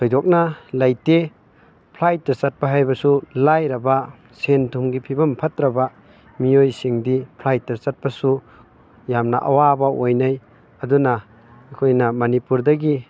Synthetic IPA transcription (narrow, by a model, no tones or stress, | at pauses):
sojdɔk̚nalajte | pʰlajt̚ːasat̚paɦajbɐsulajɾɐba | sentʰumɡipʰibɐmpʰatɾɐba | mijojsiŋdipʰlajt̚ːasat̚pasu | jamna̰ʔa̰wabaojnaj | ɐduna | kʰojnɐmɐnipuɾdɐɡi